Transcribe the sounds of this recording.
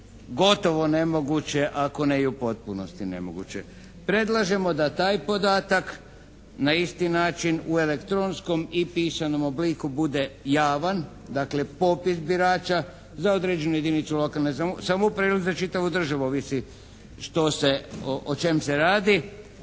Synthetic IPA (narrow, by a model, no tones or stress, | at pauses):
ɡo̞t̪o̞ʋo̞ne̞mo̞ɡut͡ɕe̞ʔako̞nejupo̞t̪̚punost̪ine̞̰mo̰ɡṵt͡ɕḛ | pɾe̞d̪lˠaʒe̞mo̞d̪at̪aːjpo̞d̪aːt̪ak | naist̪inaːt͡ʃinue̞lekt̪ɾonsko̞mipiːsano̞mo̞blikubud̪e̞jaːʋan | d̪akle̞po̞pisbiɾaːt͡ʃa | zao̞d̪ɾed͡ʒe̞nuje̞d̪init̪sulo̞kalnesasamoupɾeluɡzat͡ʃit̪aʋud̪r̩ʒaʋuoʋisi | ʃt̪o̞seoʔot͡ʃe̞mseɾaːd̪i